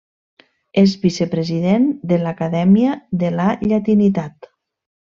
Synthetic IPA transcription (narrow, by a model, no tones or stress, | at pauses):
ezβisepɾeziðend̪elakaðɛmiaðelaʎat̪init̪at̪